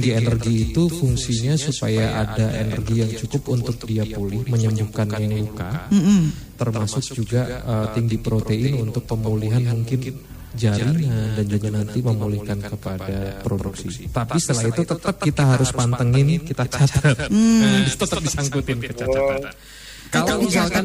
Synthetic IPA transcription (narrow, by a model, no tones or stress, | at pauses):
ŋɡienərɡiːt̪ufuŋsiɲasupajaʔadaʔḛnə̰rɡijaŋt͡ʃukʊpunt̪ʊk̚diapolɪhməɲəmbukanjaŋluka | t̪ərmasʊk̚d͡ʒuɡaət̪iŋɡipɾot̪eɪnunt̪ʊk̚pəmuliɦanmuŋkɪn | d͡ʒaɾiŋandand͡ʒuɡanant̪iməmulɪhkankəpadapɾoduksit̪apist̪əlaɦit̪ut̪ət̪əp̚kit̪aɦaɾʊspant̪əŋɪnkit̪at͡ʃat̪ət̪̚adt̪ət̪əp̚disaŋkut̪ɪnkət͡ʃat̪aa | kalaiisaŋkan